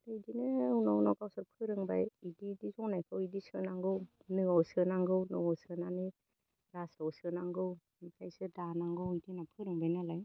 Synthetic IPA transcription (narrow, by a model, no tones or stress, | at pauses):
dɯdinɯunawnɔkawsɯɾpʰɯɾɯŋbajididizɔŋnajkʰɯwidisɯnaŋɡɯw | nɯawsɯnaŋɡɯwnɯawsɯnani | ɾasawsɯnaŋɡɯw | nikʰajsɯdanaŋɡɯwidinapʰɯɾɯŋbajnalaj